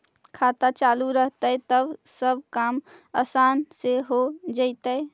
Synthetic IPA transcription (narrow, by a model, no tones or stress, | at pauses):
kʰaːt̪at͡ʃaːluɾəɦt̪ət̪əbsəbʱkaːməːsaːnseɦod͡ʒəɪt̪əe